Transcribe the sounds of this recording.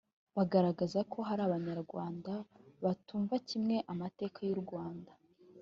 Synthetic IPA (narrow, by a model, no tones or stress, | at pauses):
βaɡaɾaɡazakʰo̞ɦaɾaːβaɲaɾɡwaːndaβatuːɱvacimŋe̞ʔamate̞ːkʰajuɾɡwaːnda